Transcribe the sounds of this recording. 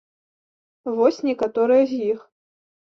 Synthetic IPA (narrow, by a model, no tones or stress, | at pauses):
vɔsʲnʲɛkat̪ɔɾɨjɐzʲjix